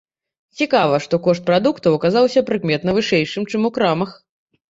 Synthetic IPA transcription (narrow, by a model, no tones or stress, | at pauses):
t͡sʲikavɐʂt̪ɔkɔʂt̪̚pɾad̪ukt̪ɐwɐkazawsʲɐpɾɨkmʲɛt̪nɐvɨʂɛjʂɨmt͡ʂɨmukɾamɐx